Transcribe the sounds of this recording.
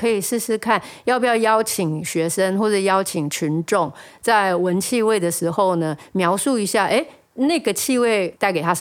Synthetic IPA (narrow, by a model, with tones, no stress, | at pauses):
kʰɤ˧˥i˨˩ʂɻ̩˥˧ʂɻ̩˥kʰa˥˨njɑ˥˧ʊpi˨˩jɑ˥˩ʊjɑ˥ʊt͡ɕʰi˨˩ŋɕɥɛ˧˥ʂə˦ŋxwɔ˥˧ʈ͡ʂə˥˩jɑ˥ʊt͡ɕʰi˨˩ŋt͡ɕʰy˧˦nʈ͡ʂʊ˥˩ŋ | t͡sa˥˩ɪwə˦nt͡ɕʰi˥˧we˥˩ɪd̪ə˩ʂɻ̩˧˥xo˥˩ʊnə˩mjɑ˧˥ʊsu˥˩i˧˥ɕja˥˩ʔe˥˦ɪ | na˥˩ɡə˩t͡ɕʰi˥˧we˥˩ɪt̪a˥˩ɪke˨˩ɪtʰa˥